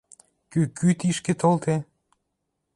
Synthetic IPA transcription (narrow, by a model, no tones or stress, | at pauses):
kykʰyt̪iʃket̪olt̪e